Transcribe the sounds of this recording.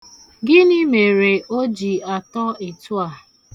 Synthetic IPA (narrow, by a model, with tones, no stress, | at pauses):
ɡɪ˦ni˦me˨ɾe˨o˦d͡ʒi˨a˨tɔ˦e˨tu˦a˨